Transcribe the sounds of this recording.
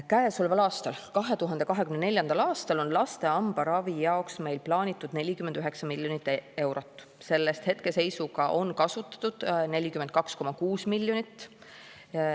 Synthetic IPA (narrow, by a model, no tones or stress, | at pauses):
kæesolvelɑːst̪ɑlkɑɦe̞t̪uɦɑnd̪e̞kɑɦe̞kymnene̞lʲjɑnd̪̥ɑlɑːst̪ɑlo̞nlɑst̪e̞ɑmb̥ɑɾɑvijɑoksme̞jlplɑːnʲit̪ːˑud̪̥ne̞lʲikymend̪yɦeksɑmilʲjo̞nit̪ːˑe̞wɾo̞t̪ːˑ | se̞lːe̞st̪he̞t̪ke̞se̞jsuɡɑʔo̞nkɑsut̪ːˑɑ̥t̪ːˑud̪̥ne̞lʲikymend̪̚kɑksko̞mɑkuːsmilʲːjo̞nit̪ˑː